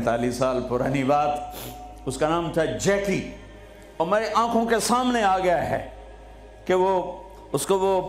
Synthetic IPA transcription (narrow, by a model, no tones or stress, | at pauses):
t̪aːliːsːaːlpʊɾa̰ːnibaːd̪ | ʊskanaːmt̪ʰad͡ʒɛːki | ɔːɾmeːɾeʔãːkʰõkesaːmneaːɡɐjaɦɛ̰ː | keʋo | ʊskoʋo